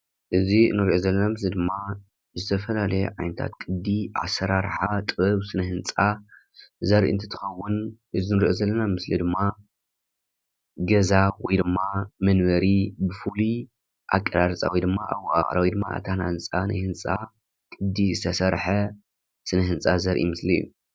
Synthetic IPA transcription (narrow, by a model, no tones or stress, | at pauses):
ʔɨzinɨɾʔozɐlːɐnamɨslid̪ɨmːa | zɨt̪ʰɐfɐlalɐjḛʕajnɐt̪ʰa̰t̪kʼɨd̪iʔa̰sɐɾaɾħat̪ʼɨβɨβsɨnɐhɨnt͡sʼa | zɐɾiʔɨ̰nt̪ʰi̥t̪ʰɨ̥xɐwːʊnʔɨzinɨɾʔozɐlːɐnamɨslid̪ɨmːa | ɡɐzawɔjd̪ɨmːamɐnβɐɾibɨfuli | ʔa̰kʼːɐɾaɾɐt͡sʼa̰wɔjd̪ɨmːaʔawːaʔa̰χʼɾawɔjd̪ɨmːa̰ʔa̰t̪ʰana̰hɨnt͡sʼana̰jhɨnt͡sʼa̰ | kʼɨd̪izɨt̪ʰɐsɐɾħɐ | sɨnɐɦɨnt͡sʼazɐɾʔḭmɨslḭjːṵ